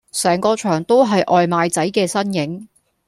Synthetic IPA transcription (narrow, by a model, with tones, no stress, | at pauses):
sɛː˨˩ŋkɔː˧t͡ʃʰœː˨˩ŋt̪o˥wɦɐ˨jʔɔː˨jmaː˨jt͡sɐ˨˥jkɛː˧sɐ˥njɪ˨˥ŋ